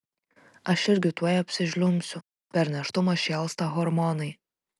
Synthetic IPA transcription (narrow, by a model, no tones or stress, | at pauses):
ɐʃɪɾʲɡʲɪt̪uɔjɐpʲsʲɪʒʲlʲʊmʲsʲʊ | pʲɛɾʲnʲɛʃt̪ʊmɐʃʲɛlˠst̪ɑɣɔɾmɔnɐɪ